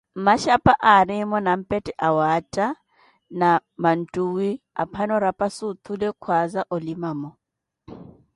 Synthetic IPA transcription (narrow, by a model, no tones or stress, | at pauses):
m̩maʃapʼaʔaɾɪmɔnam̩pʼɛtʼɛʔawatʼa | naman̩tʼuːwi | a̰pʰanɔɾapʼasut̪ʰulɪkʰwazaʔolimaːmɔ